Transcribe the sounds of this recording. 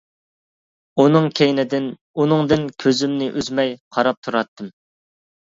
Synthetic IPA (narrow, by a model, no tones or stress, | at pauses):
unɨŋkʲʰejnɪd̪ɪn | unɨŋd̪ɪnkʲʰøzymnɪʔyzmɛjqʰɑɾɑp̚t̪ʰuɾɑt̪ːɨm